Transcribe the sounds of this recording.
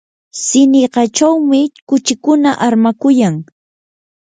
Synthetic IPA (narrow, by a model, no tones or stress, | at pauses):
sɪnɪɢɑt͡ʃawmɪkʊt͡ʃɪkʊnaʔaɾmakʊjaŋ